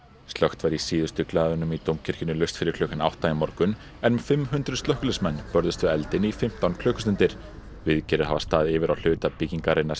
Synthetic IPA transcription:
st̪lœxt̪vajɾisiːðʏst̪ʏklaːðʏnʏmit̪owmcʰɪɾ̥cɪnːʏlœst̪fɪɾɪɾkʰlœːkʏna̰wht̪ːaːjɪmɔɾkʏn | ɛnfɪmːɦʏnt̪ɾʏst̪œhkʏlɪsmɛnːpœɾðʏst̪ʏɛlt̪ɪnifɪm̥t̪awnkʰl̥œːkʏsnt̪ɪɾ̥ | vɪðcɛːɾʏðha̰vast̪aːðɪvɪɾawl̥ʏːt̪apiciŋkaɾejnːaɾ

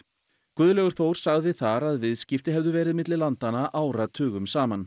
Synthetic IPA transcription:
kʏðlɛɣʏɾ̥θowɾ̥saɣðɪθaɾaðvɪðscɪft̪ɪɦɛvðʏvɛːɾɪðmɪt̪lɪlant̪anaʔaːwɾat̪ʰʏːɣʏmsaːman

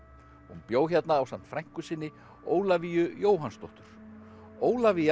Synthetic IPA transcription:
hunpjoːwçat̪naːwsam̥t̪fɾajŋ̥kʏsɪnːɪ | oːwlavijʏjoːwɦanst̪ɔht̪ʏɾ̥ | oːwlavi

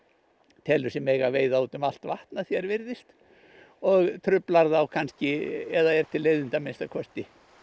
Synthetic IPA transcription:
t̪ʰɛlʏsɛmejɣaveːjðaut̪ʏmal̥t̪vaht̪naθjɛɾvɪɾðɪst̪ | ɔɣt̪ʰɾʏplaɾðawkʰanscɪɛðaɛɾ̥t̪ʰɪlːejðɪnt̪amenst̪akʰɔst̪ɪ

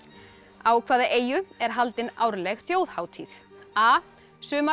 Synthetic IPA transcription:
aːwkʰvaːðaʔeːjʏɛɾ̥ɦalt̪ɪnaːwɾlɛɣθjoːwðhaːwt̪ʰiθaː | sʏːma

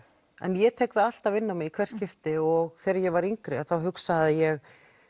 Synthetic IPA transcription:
ɛ̰njɛt̪ʰɛkðaal̥t̪aðvɪnːamɪɣikʰvɛr̥scɪft̪ɪɔɣθɛːɾɪjɛɣvaɾiŋkɾɪaθawɦʏksaðɪjɛɣ

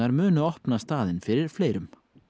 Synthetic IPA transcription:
aɾmʏːnʏɔhpnast̪aːðɪnfɪɾɪɾ̥fleːjɾʏm

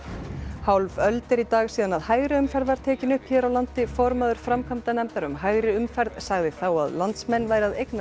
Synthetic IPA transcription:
hawlvœlt̪ɪɾit̪aːɣsiːðanaðhaːjɣɾɪʏmfɛɾðvaɾ̥t̪ʰɛːcɪnʏhpçɛːɾawlant̪ɪfɔɾmaðʏɾ̥fɾamkʰamt̪anɛmp̪aɾʏmɦajɣɾɪʏmfɛɾðsaɣðɪθawa̰ðlant̪smɛnːvaːjɾɪaðejkna

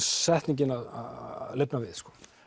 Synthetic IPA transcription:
sɛht̪niɲc̬ɪnaðalepnavɪðskɔ̥ː

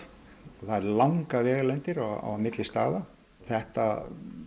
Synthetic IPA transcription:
ɔθaɛɾlawŋkavɛːɣlɛnt̪ɪɾaa̰wmɪt̪lɪst̪a̰ːða | θɛht̪a

